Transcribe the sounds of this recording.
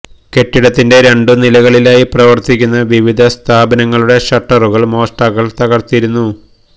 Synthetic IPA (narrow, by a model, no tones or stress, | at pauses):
ke̞ʈːiɽɐt̪ːinde̞ɾe̞ɳɖunilɐɣɐɭilaːjiprɐʋɐrt̪ikʲːunːɐʋiʋid̪ʱɐst̪ʰaːbɐnɐŋːɐɭuɽe̞ɕɐʈːɐruɣɐɭmo̞ːʂʈaːɣɐɭt̪ɐɣɐrt̪ːijiɾunːu